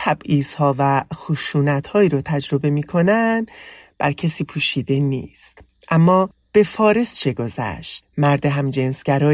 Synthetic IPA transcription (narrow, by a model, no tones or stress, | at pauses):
t̪ʰæbʔiːz̥hɒːvæxuʃuːnæt̪hɒːiːɾot̪ʰæd͡ʒɾo̞be̞miːkʰo̞nænd̪b̥æɾcʰesiːpʰuːʃiːd̪e̞nḭːst̪ | ʔæmːɒː | b̥e̞fɒːɾe̞st͡ʃʰe̞ɡo̞zæ̰ʃt̪mæɾd̪eɦæmd͡ʒensɟ̥æɾɒː